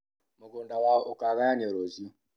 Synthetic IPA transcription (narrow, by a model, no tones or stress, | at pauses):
moɡondawaokaɣajanɾozio